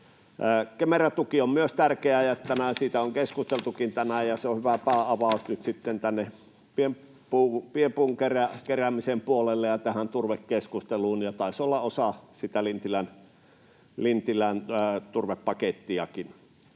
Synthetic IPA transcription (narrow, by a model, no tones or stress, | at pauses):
kemeræt̪ukiommyøst̪ærkeæjɑet̪ːænæsiːt̪æoŋkeskust̪elt̪ukint̪ænæjɑseohyʋæpæˑːʔɑʋɑˑusnyt̪sit̪ːent̪ænːe | piem | puːpiempuːŋkerækeræmisempuolelːejɑt̪æhænt̪urʋekkːeskust̪eluːnjɑt̪ɑˑesolːɑosɑsit̪ælint̪ilæn | lint̪ilænːt̪urʋepːɑket̪ːiɑkin